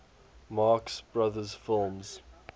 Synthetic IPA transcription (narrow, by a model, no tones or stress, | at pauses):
mɑːksb̥ɹaðəz̥fɪlˠmz̥